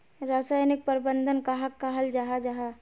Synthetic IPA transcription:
ɾaːsaːjnɪk̚pəɾɪbənd̪ʱənkaɦɐkːaɦɐld͡ʒaɦad͡ʒaːɦaː

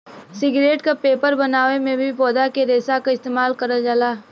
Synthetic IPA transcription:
sɪɡɾeːʈkapeːpəɾbɐnaːʋemẽbʱipɔːd̪akeɾeːsakaɪst̪eːmaːlkɐɾad͡ʒaːlaː

